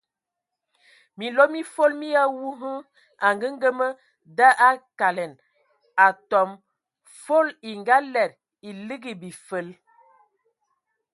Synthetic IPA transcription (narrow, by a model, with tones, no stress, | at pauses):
mi˨lo˦mi˦fo˦lmi˦ja˦wu˦ɦə˦ | a˨ŋɡə˦ŋ˦ɡə˦mə˦ | da˦ʔa˦ka˨lɛ˨n | a˨tɔ˨m | fo˦li˨ŋɡa˦lɛ˨ɾ | i˨li˦ɡi˨bi˨fə˨˦l